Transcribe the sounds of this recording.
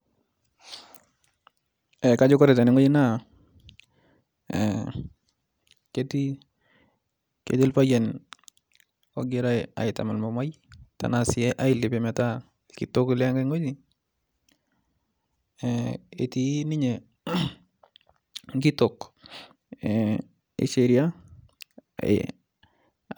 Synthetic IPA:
ɛ˨ka˦d͡ʒo˦kɔ˦ɾɛ˨ta˨nɪ˨ŋo˦d͡ʒi˦na˦ | ke˦ti˦ | kḛ˨ti˦lpa˦jɛ˨n | ɔ̰˨ɡɪɾa˦ɪa̰˨ɪta̰˨ma˨lmɔ˨ma˦j | ta̰˨nasɪɛ˦ʔa˦ɪ˨lɪpe˨mɛ˨ta | ki˨to˦ki˦lŋɡa˦ŋo˦ɲi | ḛ˨tini˦ɲɛ˨ | ŋɡi˦tok | ḛ˨ʃeɾja˦

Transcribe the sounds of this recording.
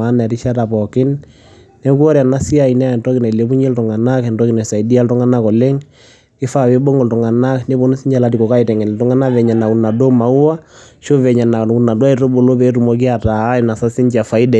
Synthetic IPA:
a˦nɛ˨ɾi˦ʃa˦ta˨pɔ˨kɪ˦n | nɛ˦ku˦ɔ˦ɾja˨na˦si˦a˨inɛ˦a˨ɛ˨ntɔ˦kɪ˨nɛ˨le˦bu˦ɲɛ˦ltu˨ŋa˨na˦kɛ˨ntɔ˦kɪ˨nɛ˨sa˨i˨di˦a˦ltu˦ŋa˦na˦kɔ˨le˦ŋ | ɪ˦fa˨we˦bo˦ŋɔ˨ltu˨ŋa˨na˦kne˦bɔ˦nu˦si˦ɲd͡ʒa˨la˦ti˨kɔ˨ka˦i˨tɛ˨ŋɛ˨n˨tu˦ŋa˦na˦ʋɛ˨ɲa˨na˨ku˨na˨do˦ma˨ʊ˦wa˦ | ʃo˦ʋɛ˨ɲa˨na˨ku˨na˨dɔ˦a˦i˨ɾo˦bo˨lo˦pɛ˨˦tu˨mɔ˨˦ki˦a˨ta˨˦ɛ˨na˨sa˦sɪ˦ɲt͡ʃa˨fa˨˦i˦dɛ˨

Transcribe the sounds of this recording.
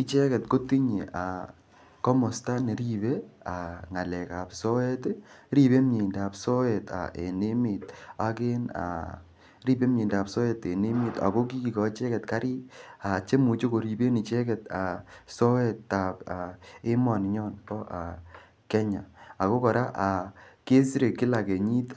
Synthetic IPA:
ɪ˦t͡ʃɛ˦kɛ˨tko˦ti˦ɲi˨a̰˨ | kɔ˦mɔ˨sta˦ne˨ɾi˦be˦a˨ŋa˨lɛ˨ka˨psɔ˦ɛ˦tɾi˦be˦m˦ɲi˨nda˨psɔ˦ɛ˨ta̰˨ʔḛ˨ne˦mɪ˨ta˦kɪ˦na̰˨ | ɾi˦be˦mɲi˨nda˨psɔ˦e˦te˨ne˦mi˨ta̰˨ko˦ki˦ki˨kɔ˨˦t͡ʃɛ˦kɛ˨tka˦ɾɪ˦a˨t͡ʃe˦mu˨t͡ʃo˦ko˨ɾi˨be˦ni˨t͡ʃɛ˦kɛ˨ta˨sɔ˦ɛ˦tːa˨pa˨ɪ˦mɔ˨n˨ɲɔ˦nkɔ˦ʔa˨ | kɛ˦ɲa˨a˨ko˦kɔ˨ɾa˦ʔa˨ke˦sɾe˨kːɪ˦la˨ke˨ɲi˦t

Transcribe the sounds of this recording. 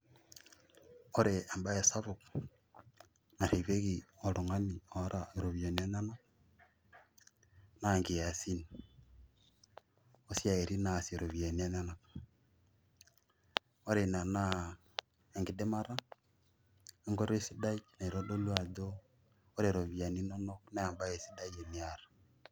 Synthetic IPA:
ɔ˦ɾe˨a˨mba˦e˨sa˦βu˨k | na˨ɾe˨βe˦ɣi˨ɔ˨lo˨ŋa˦ni˨ɔ˨˦ɾʔa˨eɾo˨βio˨ni˨a˦ɲa˦na˦ | na˨ŋɡi˨ja˨si˦ni | o˦si˦a˨e˨ɾi˦na˨se˨ɾo˨βi˨a˨ni˦a˦ɲa˦na˨ | ɔ˦ɾe˨na˨na˦ | e˨ŋɡi˨de˦ma˦ɾa˦ | e˦ŋɡɔ˦ɾe˦si˦da˦jna˨i˨ɾo˦do˦lwa˦doː˦ | ɾe˨ɾo˨βi˨a˨ni˦nɔ˦nɔ˦kna˦a˨mba˦e˨si˦da˦je˨ni˨a˨ɾḁ˨

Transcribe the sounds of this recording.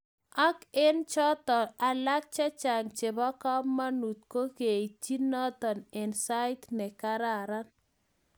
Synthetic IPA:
a˦ke˦nt͡ʃɔ˦t̪ɔ˨a˨la˦k̚t͡ʃa˦t͡ʃa˨ŋt͡ʃe˨bɔ˦ka˦mːa˦nu˨t̪̚ko˦ke˨i˨t͡ʃi˦nɔ˦t̪ɔ˨nɛ˨nsa˦ɪ˦t̪nɛ˨ka˦ɾa˨ɾa˦n

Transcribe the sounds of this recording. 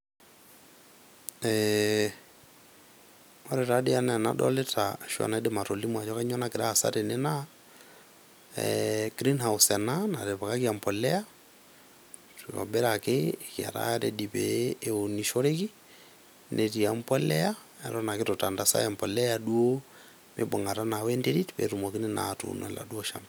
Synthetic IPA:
ɛ | ɔ˦ɾɛ˨tade˦anɛ˨na̰˦ɗɔ̰˦le˦taʃwa̰˨na˨ɛ˦de˦ma˨to˨li˦mwa˨t͡ʃɔ˦ka˦ɲɔ˦nakɪ˨ɾa˦a˨sa̰˦ɾe˨nɛ˦na | ɡɾi˦nhawsɛ˨nana˨ɾe˨βa˨ka˦ki˦a˨mpɔlɛ˦a˦ | tiɔ̰mbɛ˦ɾakekia̰˨ɾa̰ɾɛdi˨pɛːoniʃo˦ɾeki | nʔe˨ti˨ampɔlɛa | ɛ˨ɾɔna˨ketota˨ndasa̰˦ɛ˨mpɔ˨lɛadu˦o˦ | mʔebo˨ŋɡa˨ɾa˦nawɛ˦ndeɾitpɛ̰ɾumɔ˨ki˦nina̰tṵnɛ˨la̰˨du˦ɔʃa̰mb

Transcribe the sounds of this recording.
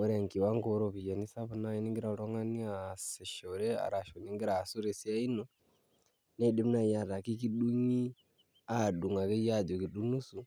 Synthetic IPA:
o˦ɾe˨ŋki˨wa˦ŋɡo˦ɾo˨βi˨ja˨ni˦sa˦βu˦na˦ji˦ni˦ŋɡi˦ɾa˨ɾo˦ŋa˦ni˦a˨se˨ʃo˨ɾe˦a̰˨ɾa˨ʃo˨ni˦ŋɡi˦ɾa˨su˦ɾe˨si˦a˦i˦no˦ | ne˦i˨de˦mu˦na˦i˨ja˨ɾa˨ki˦ki˦ɗu˦ɲi˦ | a˦˨ɗu˨ŋa˨ke˦ja˦˨d͡ʒo˨ki˨ɗu˦nu˦su˨

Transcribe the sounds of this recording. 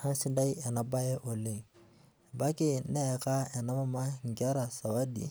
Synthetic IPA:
hã˦nsĩ˦nda˦i˦a˨na˨ba˦jɛ˦ʔo˨le˨ | ba˦ke˦˨n˦de˦jka˦ɛ˨na˦ma˦ma˦ŋ˨kɛ˦ɾa˨sa˨ba˦dḭ˨

